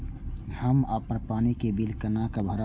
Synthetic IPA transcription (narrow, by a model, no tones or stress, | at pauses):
həma̰ːpːəɾpaːnikebilkənakabʱəɾa